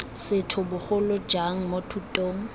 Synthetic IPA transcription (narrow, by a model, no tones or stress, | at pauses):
sɪtʰʊbʊχʊlʊd͡ʒaŋ̩motʰutʼoːŋ̩